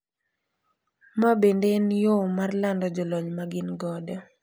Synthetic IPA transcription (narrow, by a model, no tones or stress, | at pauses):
mabendenjomarlandɔd͡ʒɔlɔɲmaɡɪnɡɔdɔ